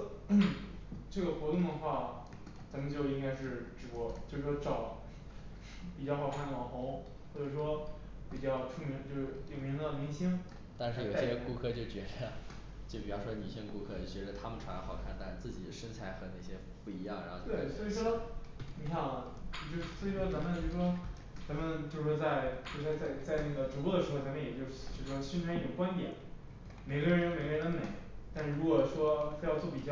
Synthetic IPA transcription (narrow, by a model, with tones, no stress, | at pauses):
ʈ͡ʂɤ˥˩ɡə˩xwɔ˧˥t̪ʊ˥˩ŋd̪ə˩xwa˥˩ | t͡sa˧˥mə˧nt͡ɕjo˥˧ʊi˥ŋka˥ɪʂɻ̩˥˩ʈ͡ʂɻ̩˧˩wɔ˧˥t͡ɕjo˥˧ʂɻ̩˥˩ʂwɔ˥ʈ͡ʂɑ˨˩˦ʊ | pi˨˩t͡ɕjɑ˥˩ʊxɑ˨˩ʊkʰa˥˩nlɑ˨˩xʊ˧˥ŋ | xwɔ˥˩ʈ͡ʂɤ˨˩ʂwɔ˥ | pi˨˩t͡ɕjɑ˥˧ʊʈ͡ʂʰu˥˩mi˧˥ŋt͡ɕjo˥˧ʊʂɻ̩˥˩li˨˩ŋmi˧˥ŋd̪ə˧mi˧˥ŋɕi˥ŋ | t̪a˥˧nʂɻ̩˥˩jo˨˩ɕɕjɛ˥ku˥kʰɤ˥˧t͡ɕjo˥˩ʊt͡ɕɥɛ˧˥ʈ͡ʂə˥˩ | t͡ɕjo˥˩ʊpi˨˩jɑ˥ʊʂwɔ˥ni˨˩ɕi˥ŋku˥kʰɤ˥˩˨t͡ɕɥɛ˧˥ʈ͡ʂə˧t̪ʰa˥mə˨nʈ͡ʂʰwa˧˥n˧˥xɑ˨˩ʊkʰa˥˩nt̪a˥˧ʂ̩˥˧t͡sɹ̩˥˩t͡ɕi˨˩əʂə˥nt͡sʰa˧˥ɪxɤ˧˥na˥˩ɪɕjɛ˥ | pu˥˩i˧˥jɑ˥˩ŋɻa˧˥xo˥˧t̪we˥˩ɪswɔ˧˥i˧˩ʂwɔ˥ni˧˥kʰɕʰjɑ˨˩ŋ˦˧˩ | t͡ɕjo˥˧ʊʂ̩˥˩swɔ˧˥i˧˩ʂwɔ˥t͡sa˧˥nmə˨t͡ɕjo˥˩ɻʂwɔ˥ | t͡sa˧˥nmə˨nt͡ɕjo˥˧ʊʂw̩ɔ˥˩t͡sa˥˧ɪt͡ɕo˥˩a˥˧t͡sa˥˧ɪt͡sa˥˧ɪnə˥˩ɡə˩ʈ͡ʂu˨˧˥kɔ˥˩də˩ʂɻ̩˧˥xo˥˧ʊt͡sa˥mə˧jɛ˨˩t͡ɕjo˥˧ʊʂ̩˥˩t͡ɕjo˥˧ʂɻʂwɔ˥ɕi˥nʈ͡ʂʰi˥˩o˨˩kwa˥nt̪jɛ̰˨˩˦n | me˨˩ɪɡə˥˧ɻə˧˥nme˨˩ɪɡə˥˧nə˧˥nme˨˩˦ɪt̪a˥˧nʂɻ̩˥˩ɻu˧˥kwɔ˨˩ʂwɔ˥fjɑ˥˧ʊt͡swɔ˥˩pi˨˩t͡ɕjɑ˥˧˩